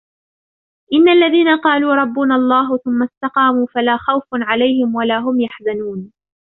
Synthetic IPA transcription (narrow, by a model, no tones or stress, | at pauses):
ʔɪnːaʔlːaðiːnaqɑːluːɾˤɑbːʊnaʔlˤːɑːɦʊθʊmːast̪ɑqɑːmuːfalaːxawfʕalajhɪmwalaːɦʊmjaħzanuːn